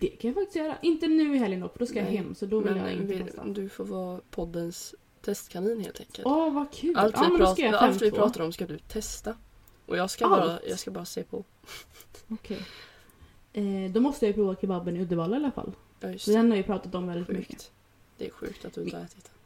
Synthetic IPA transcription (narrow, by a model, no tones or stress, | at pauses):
d̪̥ɛkʰanjafakt̪ɪst̪jœːɾa̰ʔɪnt̪ənʉ̟ːɪɦɛljənɔ̰kːfd̪ɔːskajahɛmːsɔd̪ɔvɪlja̰ɪɪnɛst̪a̰d̪ɵfoːɾvɑːpʰɔd̪ːəns | t̪ʰɛst̪kʰaniːnhḛːlt̪ʰɛ̰tkʰə̰lɔvakʰʉ̟ːalt̪ʔ̪aɪːmɛnd̪ɔɔkajaalt̪vɪpʰɾɑːt̪aɾɔmskad̪ɵt̪ʰɛst̪a | ʔɔ̰jɑːɡskajɑ̰ɡskabɑːɾaseːpʰɔ | ɔkʰɛj | ɛd̪ɔmɔst̪əjajpʰɾuːvakʰɪbabənɪɵd̪əɾvɑːlaɾɪalafa̰lː | ɑːjsd̪ɛnhaɾjəpʰɾɑːt̪at̪ɔmvɛld̪ɪt̪mʏ̰kːə̰ | d̪̥ɛæ̰ɾɧʉ̟̰ːk̚t̪ʰat̪̚d̪ɪnəɛːt̪ɪt̪